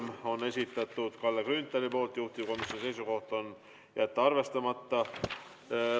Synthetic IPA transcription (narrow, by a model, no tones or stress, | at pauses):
mo̞nːe̞sʲit̪ːˑɑt̪ːˑud̪̥kɑlːekynt̪ːˑeɾipo̞ːlt̪juht̪iko̞misʲjo̞nise̞jsuko̞ht̪o̞n | jʔæt̪ːˑuɑrve̞st̪ɑmɑt̪ːɑ